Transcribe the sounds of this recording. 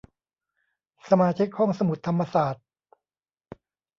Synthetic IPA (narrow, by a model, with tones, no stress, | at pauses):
sa˧maː˧t͡ɕʰi˦˥k̚hɔ˥˩ŋsa˧mu˨˩t̪ʰːa˧mːa˧saː˨˩t̪̚